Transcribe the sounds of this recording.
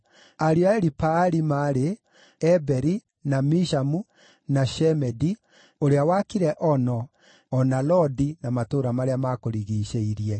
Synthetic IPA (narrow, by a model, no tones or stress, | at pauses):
aɾiaɛɾipaɾimaːɾe | ɛbɛɾi | namiʃamu | naʃɛmɛdi | oɾeawakiɾɛʔɔnɔ | ɔnalɔdinamatoɾamaɾeamakoɾiɣiːɕeiɾiɛ